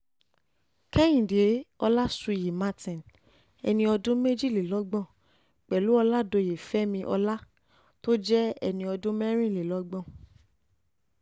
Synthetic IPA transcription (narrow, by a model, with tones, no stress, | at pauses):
kɛ˦j̃ĩ˨de˨˦ɔ˧la˦su˧˨ji˨ma˦tĩ˨n | ɛ̰˧nĩ˧ɔ˧dũ˦me˦d͡ʒi˦˨le˨lɔ˨˦ɡ͡bɔ̃˦˨ | k͡pɛ˨lu˨˦ɔ˧la˦do˨˧˨je˨fɛ˦mĩ˧ʔɔ̰˧la˦ | to˦d͡ʒɛ˦ɛ̰˧nĩ˧ɔ˧dũ˦mɛ˦ɾ̃ĩ˦˨le˨lɔ˨˦ɡ͡bɔ̃˦˨